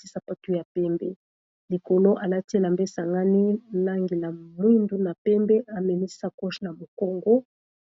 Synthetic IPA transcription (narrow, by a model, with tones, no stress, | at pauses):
i˦sa˨pa˦tu˦ja˨pɛ˦mbɛ˦ | li˨ko˨lo˦ʔa˨la˦te˦˨la˨mbe˦sa˨ŋɡa˦ni˦la˦ŋɡe˨la˨mwi˦ndu˦na˨pɛ˦mbɛ˦ʔa˨mɛ˨ni˦sa˦kɔ˦ʃna˨mo˨kɔ˦ŋɡɔ˦